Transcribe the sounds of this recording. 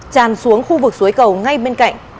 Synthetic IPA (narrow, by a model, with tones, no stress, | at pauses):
t͡ɕaː˨˩nsu˨˦əŋxu˧vɨ˨˩k̚zu˨˦əjkə˨˩wŋa˧jɓe˧nka̰˧˨jŋ̟